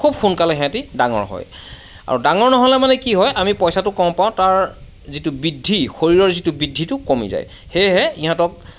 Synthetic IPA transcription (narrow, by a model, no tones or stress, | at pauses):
kʰub̚xunkalɛɦɛ̃atidaŋɔ̰ɹɦɔ̰j | a̰ɹudaŋɔɹnɔɦɔlɛmanɛkiɦɔjʔamipɔjsatʊkɔm̃paʊ̃taɹ | zitʊbidʱːixoɹiɹɔɹzitʊbidʱitʊkomḭza̰j | xejɦɛiɦãtɔk̚